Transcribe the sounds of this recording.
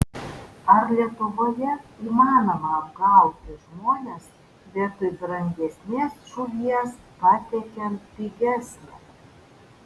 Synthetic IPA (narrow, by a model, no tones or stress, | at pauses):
ɐɾlʲiɛt̪ʊʋoːjɛiːmɑːnoːmɐɐbɡɐˑʊt̪ʲɪʒmoːnʲɛs | bʲɛt̪ʊb̪ɾɐŋʲɡʲɛsʲnʲeːsʃʊʋʲiɛs | pɑt̪ʲɛkʲɛnpʲiɡʲɛsʲnʲɛ